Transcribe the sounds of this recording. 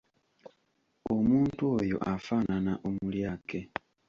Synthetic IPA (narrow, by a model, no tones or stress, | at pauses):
o̞muːntuojo̞̰ʔafaːnanaʔomuljaːke